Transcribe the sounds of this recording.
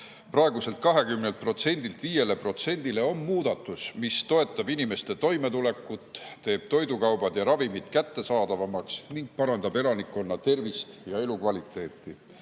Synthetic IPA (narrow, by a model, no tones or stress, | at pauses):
prɑe̞ɡ̥use̞lt̪̚kɑɦe̞kymne̞lt̪̚pro̞t̪se̞nʲd̪̥ilt̪viːje̞lepro̞t̪se̞nʲd̪ile̞o̞mmuːd̪̥ɑt̪ːˑusmist̪o̞e̞t̪ːˑɑbinime̞st̪e̞t̪o̞jme̞t̪ule̞kːˑut̪t̪e̞ːb̥̚t̪o̞jd̪ukɑwb̥ɑd̪̥jɑɾɑvimid̪̥kæt̪ːe̞sɑːd̪̥ɑvɑmɑksniŋɡ̥̚pɑɾɑnd̪ɑbe̞lɑnikːˑo̞nːɑt̪e̞rvist̪jɑe̞lukvɑlʲit̪ːˑe̞ːt̪ˑːi